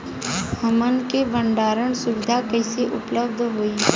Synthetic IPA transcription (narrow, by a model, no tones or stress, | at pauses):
hɐmənkebə̃ɳɖaːɾəɳ̃sʊʋɪd̪ʱakəɪseʔʊpləb̚d̪ʱɦoːiː